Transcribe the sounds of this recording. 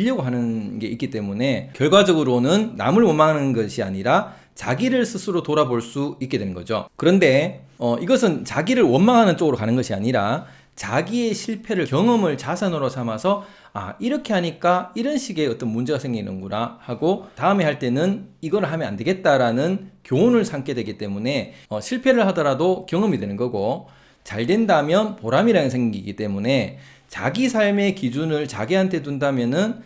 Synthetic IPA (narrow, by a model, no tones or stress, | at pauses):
ʎːʌɡoɦanɯnɡe̞ʔik͈it͈e̞mune̞kjʌɭɡwad͡ʑʌɡɯɾonɯnːa̰mɯɭwʌnmaŋɦanɯnɯnɡʌɕʰia̰ɲiɾa | t͡ɕaɡiɾɯɭsʰɯsʰɯɾotoɾaboɭs͈uik͈edwenɯnɡʌ̰d͡ʑo̰kɯɾʌnde̞ʌʔiɡʌs̬ʰɯnt͡ɕaɡiɾɯɭwʌnmaŋɦanɯnt͡ɕ͈oɡɯɾokanɯnɡʌɕʰia̰ɲiɾa | t͡ɕaɡie̞ɕʰiɭpʰe̞ɾɯɭkjʌŋʌmɯɭt͡ɕasʰanɯɾosʰamasʰʌ | a̰iɾʌkʰe̞ɦhaɲik͈aiɾɯnɕʰiɡe̞ʌt͈ʌnmund͡ʑe̞ɡasʰe̞ŋɡinɯ̰nɡuɾahaɡotaɯme̞haɭt͈e̞nɯniɡʌɾɯɭɦamjʌnande̞ɡe̞t̚t͈aɾanɯnkjoonɯɭsʰaŋk͈ʰe̞dwe̞ɡit͈e̞mune̞ʌɕʰiɭpʰe̞ɾɯɭhadʌɾadokjʌŋɯmidwe̞nɯnɡʌɡo | t͡ɕaɭdwe̞ndamjʌnpoɾamiɾanɯnsʰe̞ŋɡiɡiɡit͈e̞mune̞ | t͡ɕa̰ɡisʰaɭme̞kid͡ʑunɯɭt͡ɕaɡeɦantʰe̞t̬undamjʌnɯn